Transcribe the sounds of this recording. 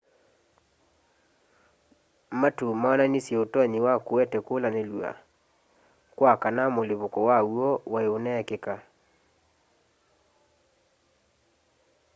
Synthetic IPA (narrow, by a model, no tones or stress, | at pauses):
matumaɔnanisjɛotɔɲiwakoɛtɛkolanelua̰ | kwakanamoleβokɔwauɔwaeonɛkeka